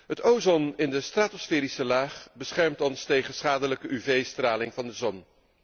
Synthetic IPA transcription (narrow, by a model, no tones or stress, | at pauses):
ɦətowzɔnɪndəstraːtɔsfɛːɾisəlaːχbəsχɛɹmtɔnstejχənsχaːdələkəʔyvejstraːlɪŋvɑndəzɔn